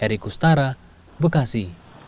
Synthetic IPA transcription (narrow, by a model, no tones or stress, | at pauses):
ɛɾikust̪aɾa | bəkasi